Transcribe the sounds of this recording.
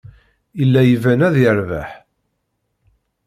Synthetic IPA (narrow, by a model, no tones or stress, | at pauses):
ilːæjəvænæðjəɾvaħ